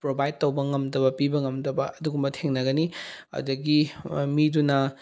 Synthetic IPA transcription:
pɾobajd̚towbɐŋɐmdɐbɐpibɐŋɐmdɐbɐʔɐduɡumbɐtʰeŋnɐɡɐniɐ̰dɐɡimidunɐ

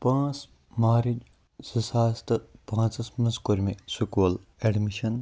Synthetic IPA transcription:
pãːt͡s | maːɾid͡ʒ | sisaːst̪ɨpãːt͡sɐsmɐskoɾʲmesukuːleɖmiʃɐn

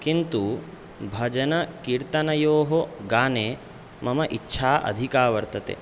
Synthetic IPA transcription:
kint̪u | bʱɐd͡ʒɐnɐkiɾt̪ɐnɐjoːɦoɡaːneː | mɐmɐʔitːʃʰaːʔɐ̰d̪ʱikaːʋɐɾt̪ɐt̪ḛ

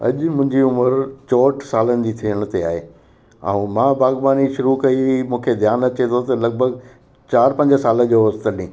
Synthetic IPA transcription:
ɐ̰ʄmʊ̃ɦɪ̃ɲd͡ʑiʊməɾt͡ɕɔːʈʰsaːlənɪ̆d͡ʑit̪ʰiəɽ̃t̪ea̰ːɦeː | ã̰mãːbaːɣbaːniʃʊɾukɐimũːkʰed̪ʱjaːnɐt͡ɕet̪ʰot̪ɐlɐɡ̚bʱəɡ | t͡ɕaːɾpɐ̃ɲd͡ʑəsaːlə̃d͡ʑoːst̪əɾɗĩː

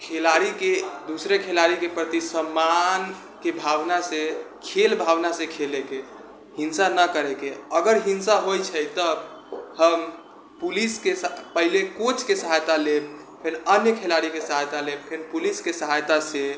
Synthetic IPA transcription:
kʰelaɾiked̪usɾekʰelaɾikepɾət̪isəmːan | kebʱabnase | kʰelbʱabnasekʰeleke | ɦinsanəkəɾekeəɡəɾɦinsaɦojt͡ʃʰəjt̪əhəm | puliskespəɦilekot͡ʃʰkesəɦajt̪aleb̚ | pʰenənjəkʰelaɾikesəɦajt̪aleb̚pʰenpuliskesəɦajt̪ase

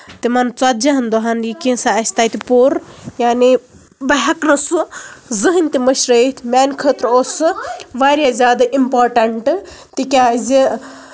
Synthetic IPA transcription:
t̪imɐnt͡swat̪̚d͡ʒɐɦɐnd̪uɦanjikĩnsaɐsʲt̪aːt̪ipoːɾjaːni | bɐɦɐknɐsuzɨɦɨnʲt̪imɐʃɾət̪ʰʲmʲaːnʲkʰət̪ɾosɨʋaɾʲjazʲaːd̪aʔimpoːɾʈɐɳʈɨt̪ikʲazʲi

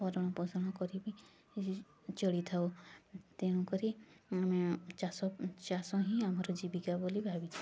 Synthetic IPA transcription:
ɔɾɔɽ̃ɔpɔsɔɽ̃ɔkɔɾibi | t͡ʃɔɽit̪ʰawt̪eɽ̃ũkɔɾiamet͡ʃasɔt͡ʃasɔɦĩamɔɾɔd͡ʒibikabolibʱabit͡ʃʰi

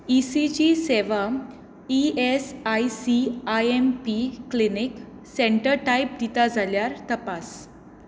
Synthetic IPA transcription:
isit͡ɕiseʋa | iesajsiajempiklinik | sẽɳʈəɾʈaip̚d̪it̪ad͡zʱaljaɾt̪əpas

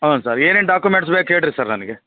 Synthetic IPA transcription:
ɦɐːnsaːɾeːneːɳɖaːkjumeɳʈs̬beːkeːɽɾisaːɾnɐniɡe

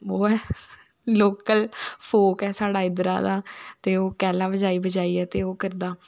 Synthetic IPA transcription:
oːɛː | loːkəlpʰoːkɛːsaːɽaːɪd̪ɾa̰ːd̪aːt̪eːoːkɛːlãːbəd͡ʒaːiːbəd͡ʒaːiːɛːt̪eːoːkəɾd̪aː

